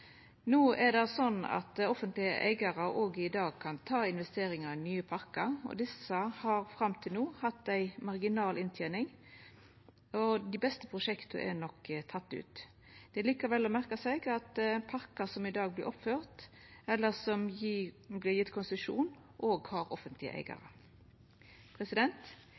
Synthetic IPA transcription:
nuːɛd̪ɛsɔnːɑ̰t̪ɔfənt̪lɪə̰ʔæ̰ɪɡɑɾɑoːɡɪd̪ɑːɡ̚kʰɑnt̪ʰɑːɪnʋɛst̪eːɾɪŋɑɾnyːəpʰɑɾkɑɔ̰d̪ɪsəhɑɾfɾɑmt̪ʰɪlnuːhɑt̪ːæɪmɑɾɡɪnɑːlʔɪnt̪ʰjenɪŋ | ɔd̪ibɛst̪ə̥pʰʁʊʃɛkt̪ʰə̰ʔɛ̰nɔkːt̪ʰɑt̪ːʉ̰ːt̪ | d̪̥ɛliːkɑɾʋɛlːɔmæʁkɑsɛɪɡɑt̪pʰɑʁkɑsɔmɪd̪ɑːɡ̚blɪɾʔɔpføːʁt̪ | ɛlːəsɔm | blɪʁjɪt̪ːkʰʊnsəʂṵːn | ʔoːɡhɑɾɔfənt̪lɪə̰ʔæ̰ɪɡɑ̰ɾə̰ | pʰʁɛsɪd̪ɛnt̪

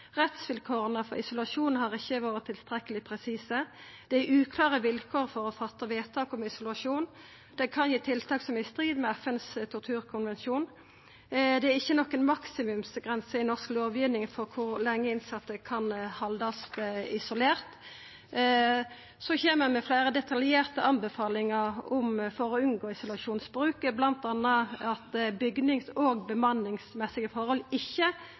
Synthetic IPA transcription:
ʁɛt̪sʋɪlkʰoːʁənəfɔʁɪsʊlɑʂuːnn̩hɑʁɪçːəʋɑːɾət̪ʰːɪlst̪ʁɛkːəlɪpʰʁɛsiːsə | d̪̥ɛæʉːkʰlɑːʁəʋɪlkʰoːʁfɔʁɔfɑt̪ːəʋeːt̪ʰɑːkɔmɪsʊlɑʂuːn | d̪̥ɛkʰɑnjiːt̪ʰɪlt̪ʰɑːksɔmɪst̪ʁiːd̪mɛæfɛnst̪ʰʊʁt̪ʰʉːʁkʰʊnʋɛnʃuːn | d̪ɛæʁɪçːənɔkːənmɑksɪmʉmsɡʁɛnsəɪnɔʁskloːʋjyːʋnɪŋfɔʁkʰʊʁlɛŋːəɪnsɑt̪ːəkʰɑnhɑld̪ɑst̪ɪsʊleːʁt̪ | sɔçeːməmɛfleːɾəd̪ɛt̪ʰɑljeːʁt̪əɑnbəfɑːlɪŋəʁʊmfɔɾɔʉnɡoːɪsʊlɑʂuːnsbʁʉːkəblɑnt̪ɑnəɑt̪bʏɡnɪŋsoːɡbəmɑnːɪŋsmɛsɪɡəfɔʁhɔlɪçːə

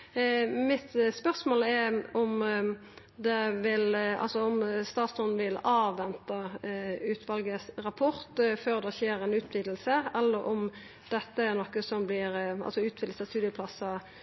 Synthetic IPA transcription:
mɪt̪spœʁsmoːlɛɾɔm | d̪ɛʋɪlɑ̰lsɔɔmst̪ɑːt̪sɔn̩ʋɪlɑːʋːɛnt̪ɑʉːt̪ʰʋɑlɡəsɾɑpʰɔʁt̪føːʁd̪ɛseːɾɛnʉːt̪ʋiːd̪l̩səɛlːəɾʔɔm | d̪̥ɛt̪ːəæʁnɔkːəsɔmblɪɾɑ̰lsɔʉːt̪ʋɪːd̪̩səst̪ʉːd̪ɪəpʰlɑsɑ

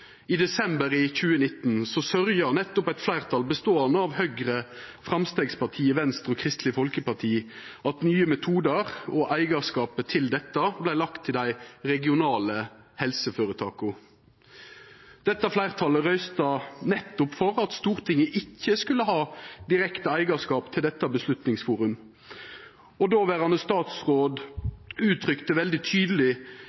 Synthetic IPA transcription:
id̪ɛsɛmbəɾiçʉːənɪt̪ːn̩sɔsœʁjɑnɛt̪ːʊpæɪt̪flæɪʁt̪ʰɑlbəst̪oːɑnəɑʋhœɡʁəfʁɑmst̪eːɡspɑʁt̪ʰiːəʋɛnst̪ʁɔkʰʁɪst̪lɪfɔlkəpɑʁt̪ʰiːʔɑt̪nyːəmɛt̪ʰuːd̪əʁɔʔæɪɡɑskɑːpət̪ʰɪld̪ɛt̪ːəblæɪlɑkt̪ʰːɪld̪æɪʁɛɡɪʊnɑːlə | hɛlsəføːɾət̪ʰɑːkʊ | d̪̥ɛt̪ːɑflæɪʁt̪ʰɑləʁœʏst̪ɑnɛt̪ːʊpfɔʁɑt̪st̪uːʁt̪ʰɪŋəʔɪkːəskʉlːəɦɑːd̪ɪɾɛkt̪əæɪɡɑskɑːpt̪ʰɪld̪ɛt̪ːɑbəslʉt̪nɪŋsfuːʁʉm | ɔd̪oːʋæːʁɑnəst̪ɑːt̪sʁoːd̪ʉːt̪ʰɾʏkt̪əʋɛld̪ɪt̪ʰyːd̪əlɪ

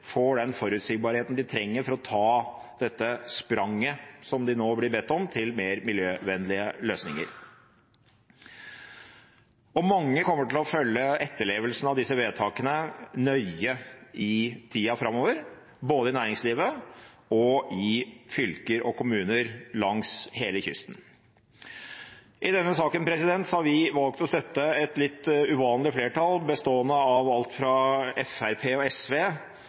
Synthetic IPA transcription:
fɔɖɛnfɔɾʉːt̪sɪɡ̚bɑːɾheːt̪n̩d̪ɪt̪ʰɾɛŋːəɾfɔɾɔt̪ʰɑːd̪̥ɛt̪ːəspɾɑŋːəsɔmd̪ɪnoːblɪɾbɛt̪ːɔmt̪ʰɪlmeːɾmɪljøːʋɛnlɪəløːsnɪŋə̰ɾ | ɔmɑŋːəkɔmːəʈɪlɔfœlːəɛt̪ːəɭeːʋəlsnɑʋd̪ɪsːəʋeːt̪ʰɑːkənənœʏəɪt̪ʰiːɑfɾɑmːoːʋəɾ | boːd̪əɪnæːɾɪŋsliːʋə | ɔʔɪfʏlkəɾʔɔkʊmʉːnəɾlɑŋsheːləçʏ̰st̪n | ʔɪd̪ɛnːəsɑːkənpʰɾɛsɪd̪ɛnt̪sɔhɑɾʋɪʋɑlkt̪ɔst̪œt̪ːəɛt̪lɪt̪ːʉʋɑːnlɪfleːʈʰɑlbəst̪oːənːəɑʋɑlt̪fɾɑɛfæɾpʰeːɔɛsʋeː

